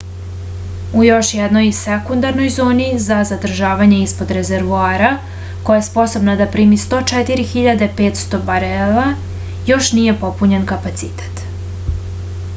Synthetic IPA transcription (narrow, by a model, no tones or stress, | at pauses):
ujo̞ʃjɛd̪no̞jsekund̪aɾno̞jzo̞ːnizazad̪r̩ʒaːʋaɲe̞ispo̞d̪ɾezeɾʋuaːɾa | kojajespo̞so̞bnad̪apɾiːmist̪o̞ːt͡ʃɛt̪iɾixiʎad̪e̞peːt̪st̪o̞baɾela | jo̞ʃnije̞po̞puɲenkapat̪sit̪e̥t̪